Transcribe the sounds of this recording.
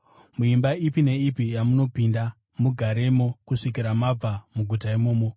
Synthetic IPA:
muimbaipine̞ipijamuno̞pinda | muɡʱaɾe̞mo̞kuʂik̬iɾamab͡vamuɡʱutaimoːmo

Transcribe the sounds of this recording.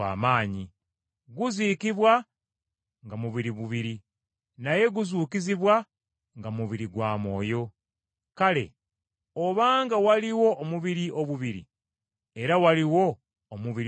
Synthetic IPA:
a̰ːmaːɲi | ɡuziːkiβwa | ŋɡamuβiɾiβuβiɾi | naje̞ɡuzuːkiziβwa | ŋɡamuβiɾiɡwaːmo̞ːjo̞ | kale̞̰ | oβaːŋɡawaliwo̞ʔːmuβiɾiʔo̞βuβiɾḭ | e̞ɾawaliwo̞ː | muβiɾ

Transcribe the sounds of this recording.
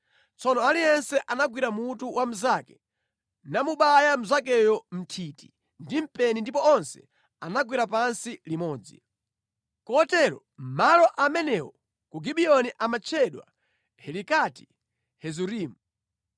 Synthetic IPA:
t͡sʰɔnɔalijɛnsɛʔanaɡwiɾamutuwam̩zakɛ | namuɓajam̩zak̬ɛjɔm̩tʰiti | ndim̩pɛnindip̬ɔɔnsɛ̰ | anaɡwiɾapansilimɔːd͡zḭ | kɔtɛɾɔ̰ | m̩malɔʔamɛnɛwɔ | kuɡiɓiɔniʔamat͡ʃʰɛɗwa̰ | hɛlikati̥ | hɛzuɾiːmu

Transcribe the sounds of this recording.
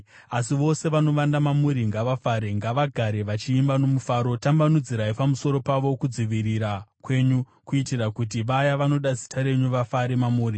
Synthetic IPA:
asiʋo̞se̞ʋano̞ʋandamamuɾiŋɡaʋafaɾe̞ŋɡaʋaɡʱaɾe̞ʋat͡ʃiːmbano̞mufaːɾo̞tambanud͡ziɾaipamuso̞ɾo̞paʋo̞kud͡ziʋiɾiɾakwe̞ɲu | kuitirakut̬iʋajaʋano̞ɗazi̥tʰaɾe̞ɲuʋafaɾe̞mamuːɾi

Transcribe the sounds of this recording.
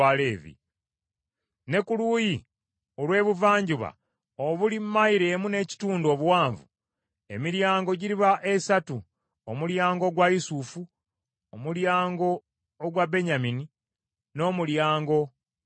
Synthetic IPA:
ale̞ːvḭ | ne̞kuluːji | olwe̞ːβuvaːɲɟuβa̰ | oβulimːaiɾeːmune̞ːci̥tuːndo̞ːβuwaːɱvṵ | e̞̰miɾjaːŋɡo̞ɟiɾiβaʔe̞satu | omuljaːŋɡo̞ɡwaisufu | omuljaːŋɡo̞ː | ɡwabe̞ɲamini | no̞ːmuljaːŋɡo̞

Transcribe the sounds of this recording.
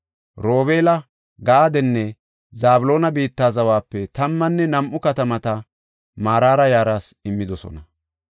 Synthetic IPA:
ɾo̞ːbe̞ːlɐ | ɡaːd̪ɛnːɛ | zaːbʊlo̞ːnɐbiːt̪ːaːzɐwaːpːɛt̪ɐmːɐnːɛnɐmʔʊkɐt̪ɐmɐt̪ɐ | maːɾaːɾɐjaːɾaːsɪmːɪd̪ɔsɔ̰nɐ

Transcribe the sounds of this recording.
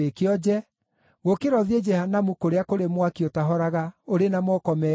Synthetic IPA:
ekeɔd͡ʒɛ | ɣokeɾɔðied͡ʒɛhanamukoɾeakoɾemwakiotaɦɔɾaɣaoɾenamɔkɔmɛ

